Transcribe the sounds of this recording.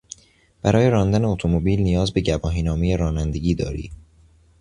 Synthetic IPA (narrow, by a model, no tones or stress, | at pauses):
b̥æɾʔɒːje̞ɾɒːnd̪æneot̪ʰo̞mobiːlnijɒːzbe̞ɟæbɒːɦiːnɒːmejeɾɒːnænd̪e̞ɟʲiːd̪ɒ̰ːɾḭː